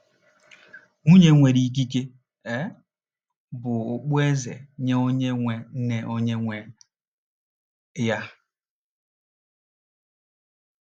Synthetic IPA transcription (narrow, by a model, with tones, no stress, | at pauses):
ŋu˦ɲe˦ŋʷe˨ɾi˦k̬i˦ke˦ | e˦ | bʊ˨ʊ˨k͡pʊ˦e˦zḛ˨ɲe˦o˦ɲe˦ŋʷe˨n̩˦ne˨ʔo˦ɲe˦ŋʷe˨ | ja˦